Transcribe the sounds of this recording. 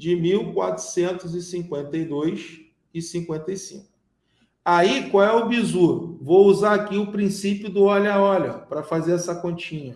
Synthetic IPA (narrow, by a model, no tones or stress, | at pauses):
d͡ʒɪmiwkwa̰t̪ɾʊ̥sẽnt̪ʊzɪsĩŋkwẽnt̪ɐjd̪ojs | ɪsĩŋkwẽnt̪ɐijsḭ̃ŋk̚ʊ̥ | aikwawɛʊbizuɾʊ̰vowuzaakiʊpɾĩsipjʊd̪ʊɔlɐɔlɐpɾɐfazeɾɛsɐkõnt͡ʃĩɲɐ